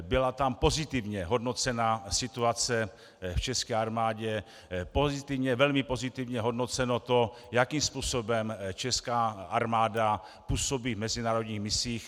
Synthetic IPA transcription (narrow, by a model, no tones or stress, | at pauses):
bɪlat̪ampo̞zɪt̪ɪvɲɛɦo̞dno̞t͡sɛnasɪt̪uat͡sɛ | ft͡ʃɛskɛːaɾmaːɟɛ | pozɪt̪ɪvɲɛvɛlmɪpo̞zɪt̪ɪvɲɛɦo̞dno̞t͡sɛnot̪o̞ | jakiːmspuːso̞bɛmt͡ʃɛskaːʔaɾmaːda | puːsobiːvmɛzɪnaːɾo̞dɲiːxmɪsiːx